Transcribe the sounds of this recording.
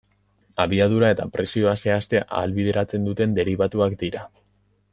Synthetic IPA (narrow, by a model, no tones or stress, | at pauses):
aβiað̞uɾae̞t̪a̰pɾe̞sio̞ase̞ast̪e̞ʔa̰ːlβið̞e̞ɾat͡se̞nd̪ut̪e̞nd̪e̞ɾiβat̪uakd̪iɾa